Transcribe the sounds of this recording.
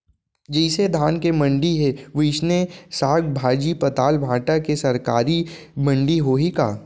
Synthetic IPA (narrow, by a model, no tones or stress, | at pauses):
d͡ʒɛɪsed̪ʱaːnkemɐ̃ɳɖiɦeʋɪʃnesaːɡbʱaːd͡ʒipɐt̪aːlbʱãːʈakesɐɾkaːɾimɐ̃ɳɖiɦoɦika̰ː